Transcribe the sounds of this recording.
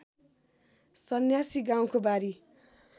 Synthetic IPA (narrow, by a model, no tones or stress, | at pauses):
sʌnjasiɡaw̃kobaɾi